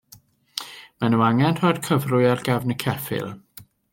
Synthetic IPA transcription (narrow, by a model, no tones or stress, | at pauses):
manuaŋɛnr̥ɔːd̥kʰəvrʊɨarɡɛvnəkʰɛfɪ̰lˠ